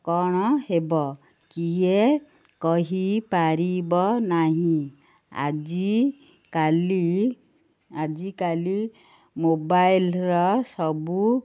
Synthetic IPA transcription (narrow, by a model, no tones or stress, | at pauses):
kɔɽ̃ɔhebɔ | kie | kɔɦipaɾibɔnaɦĩ | a̰d͡ʒi | kali | ad͡ʒikali | mobajlɾɔsɔbu